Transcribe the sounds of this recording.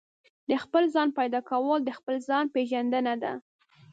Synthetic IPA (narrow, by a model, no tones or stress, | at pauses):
d̪əxpəlzɑnpɑjd̪ɑkawəld̪əxpəlzɑnpeʒand̪ənad̪a̰